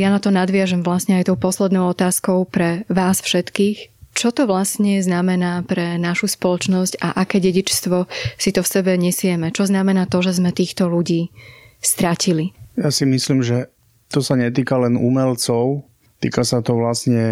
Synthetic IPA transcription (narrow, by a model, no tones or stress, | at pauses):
janat̪ɔnad̪ʋɪaʒɛmʋlasɲɛajt̪ɔʊpɔslɛd̪nɔʊɔt̪aːskɔʊpɾɛʋaːsfʃɛt̪kiːxt͡ʃɔt̪ɔʋlasɲɛznamɛnaːpɾɛnaʃuspɔlɔt͡ʃnɔscaʔakɛːɟɛɟit͡ʃst̪ʋɔsit̪ɔfsɛbɛɲɛsɪɛmɛt͡ʃɔznamɛnaːt̪ɔʒɛzmɛt̪iːxt̪ɔluɟiːst̪ɾacilijasimisliːmʒɛ | t̪ɔsaɲɛt̪̬iːkalɛnṵmɛlt͡sɔʊ | t̪ḭːkasat̪ɔʋlasɲɛ